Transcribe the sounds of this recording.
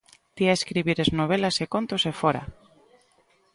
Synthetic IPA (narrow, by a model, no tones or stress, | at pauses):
t̪iaeskɾiβiɾeznoβ̞elasekont̪osefoɾa̰